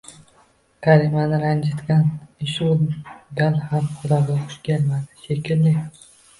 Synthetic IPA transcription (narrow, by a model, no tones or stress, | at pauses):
kʰaɾimanɪɾand͡ʒat̪ɡʲanɪʃuɡ̪alhamqʊd̪amɡʲaqʰʊ̥ʃkʲʰelmad̪ɪ̥ʃekʰʲɪlːɪ